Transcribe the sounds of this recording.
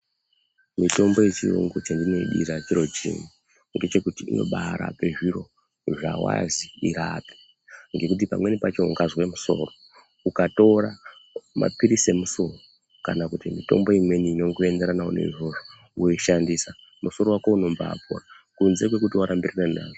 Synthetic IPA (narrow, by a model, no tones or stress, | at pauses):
mito̞mbo̞jet͡ʃiro̰ŋɡot͡ʃandino̞iɗḭɾat͡ʃiɾo̞d͡ʒḭni | ŋɡe̞t͡ʃe̞kutiino̞̰ɓaɾa̰pe̞ʐiɾo̞ | ʐa̰wa̰ziiɾapi̥ | ŋɡe̞kut̬ipamwe̞nipat͡ʃo̞uŋɡazwe̞muso̞̰ro | ukato̞ɾamʔa̰piɾise̞muso̞ro | kanakutimito̞̰mbo̞imwe̞niːno̞ŋɡoe̞ndeɾanauneḭʐo̞ʐo | ujeʃandisa | mʔuso̞ɾowakouno̞mba̰pṵra | kunze̞k̬we̞k̬utiwaɾʔambiraranaːʐo